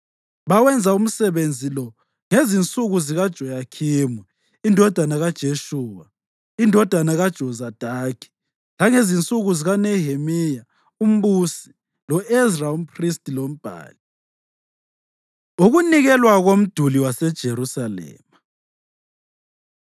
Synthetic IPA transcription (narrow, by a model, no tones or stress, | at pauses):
βawɛnd͡zʱaum̩sɛβend͡zʱilɔ | ŋezint͡sʼuɣuziɣad̥ʒ̥ʱɔjakʰiːmwɛ | indʱɔd̥ʱanaɣad̥ʒ̥ʱeʃuːwa | indʱɔd̥ʱanaɣad̥ʒ̥ʱɔzad̥ʱakʰi̥ | laŋezint͡sʼuɣuziɣanɛhemija | um̩βusi̥ | lɔɛsraum̩pristʼilom̩b̥ʱa̰ːli | uɣuniɣɛlwaɣom̩d̥ʱuliwasɛd̥ʒ̥ʱeɾusalɛ̰ːma